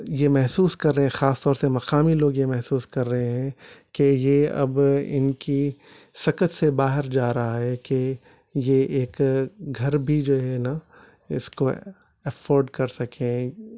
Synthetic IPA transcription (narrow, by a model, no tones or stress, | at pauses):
jemɛɦsuːskɐɾːɐɦɛ̃xaːst̪ɔːɾsemɐqaːmiloːɡjemɛɦsuːskɐɾːɐɦẽɦɛ̃kejeɐ̰bɪ̰nki | sɐkət̪sebaːɦɪɾd͡ʒaːɾɐɦaɦɛke | jeʔeːkɡʱɐɾbʱid͡ʒoːɦɛna | ɪ̰sko | ɛfoːɾɖkɐɾsɐkʰẽ